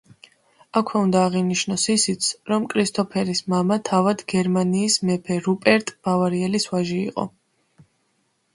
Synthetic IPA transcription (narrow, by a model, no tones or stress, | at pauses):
akʰwɛund̪aːʁiniʃnɔsisit̪sʰɾɔmkʼɾist̪ʰʼɔpʰɛɾismamat̪ʰavad̪ɡɛɾmaniːsmɛpʰɛɾupʼɛɾt̪ʼb̥avaɾiɛlisvaʒiḭqʼɔ̰